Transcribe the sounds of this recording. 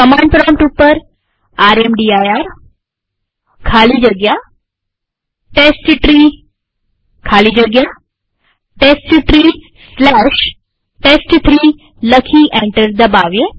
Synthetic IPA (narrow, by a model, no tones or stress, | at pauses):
kəmãɳɖpɾɔmʈupːəɾ | aɾemɖiajaɾ | kʰalid͡ʒəɡja | ʈesʈʈɾi | kʰalid͡ʒəɡja | ʈesʈʈɾiː | slɛʃ | ʈesʈt̪ʰɾi | ləkʰiʔɛ̃ɳʈəɾd̪əbaʋje